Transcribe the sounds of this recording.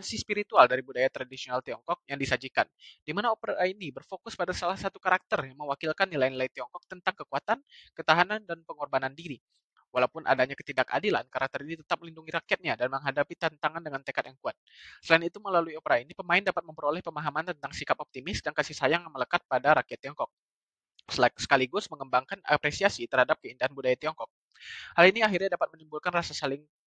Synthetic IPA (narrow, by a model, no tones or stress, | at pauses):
kansispiɾit̪ualdaɾibudajat̪ɾadisionalt̪iɔŋkɔk̚jaŋdisad͡ʒikand̥imanaopəɾainibərfokʊspadasalahsat̪ukaɾak̚t̪ərjaŋməwakilkanːilainilait̪iɔŋkɔk̚t̪ənt̪aŋkəkuat̪ankət̪aɦanandanpəŋɔrbanandiɾi | walaupʊnʔa̰daɲakə̥t̪idaka̰dila̰nkaɾak̚t̪əɾinit̪ə̥t̪ap̚məlinduŋiɾakiat̪̚ɲadanməŋɦadapit̪ant̪aŋandəŋant̪əkat̪jaŋkuat̪̚səlainit̪uməlaluiopəɾainipəmaɪndapat̪̚məmpəɾolɛhpəmaɦamant̪ənt̪aŋsikapɔp̚t̪imɪsdankasihsajaŋjŋmələkat̪̚padaɾakiat̪ːiɔŋkɔk̚ | ssə̥kaliɡʊsməŋəmbaŋkana̰pɾesiasit̪ərhadap̚kəindaɦanbudajat̪iɔŋkɔk̚ | haliniaɦirɲadapat̪̚mənimbulkanrasasalɪŋ